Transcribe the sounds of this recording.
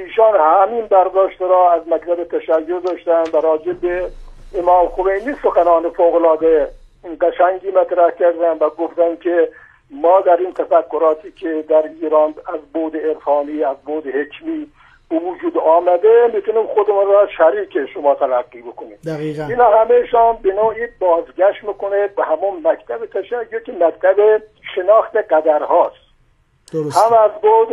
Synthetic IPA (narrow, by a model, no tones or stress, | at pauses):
iːʃɑːnhæminbæɾd̪ɒːʃt̪ɾɔːæzmækt̪ʰæbet̪ʰæʃæjːod̪ɒːʃt̪ænd̪væɾɒːd͡ʒebeʔemɑːmxomejniːsoxænɑːnefoɣolɒːd̪eɡæʃæŋɡiːmæt̪ɾæhkʲæɾd̪ænvæɡoft̪ænkʰe | mɒːd̪æɾiːnt̪ʰæfækːoɾɒːt̪ʰiːkʲʰed̪æɾiːɾɑːnæzboːd̪eeɾfɑːniːæzboːd̪ehekʰmiː | b̥evud͡ʒuːd̪ɑːmæd̪emiːt̪unimxod̪emunrɔʃæɾiːkʰeʃomɒːt̪ʰælæɡːiːbekoniːmd̪ɣiinɒːhæmejʃɑːnbenoːiːbɒːzɡæʃt̪miːkonebehæmonmækt̪ʰæbet̪ʰæʃæjːokʲemækt̪ʰæbe | ʃenɒːxt̪eɡæd̪æɾhɒːst̪ | ohæmæzboːd̪